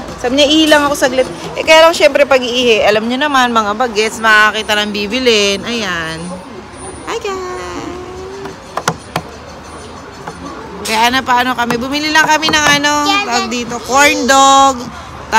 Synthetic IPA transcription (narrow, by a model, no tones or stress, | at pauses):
sab̚ɲaʔiːhɪlɐŋɐko̞sɐɡlɪt̪̚ | ʔɛkɐjaːlɐŋʃɛmpɾɛpɐɡiːhɪʔɐlamɲonɐmanmɐŋabɐɡɛt̪smɐɐkiːt̪ɐnɐŋbiːbɪlɪnʔɐjan | ʔajka | kɐjaʔnɐpɐʔano̞kɐmɛbʊmililɐŋkɐmɛnɐŋʔɐno̞pɡ̚d̪iːt̪o̞koɹnd̪oɡ | t̪a